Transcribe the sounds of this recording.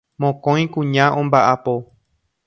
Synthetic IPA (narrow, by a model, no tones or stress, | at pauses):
mõkõj̃kũɲãʔõmbaʔapo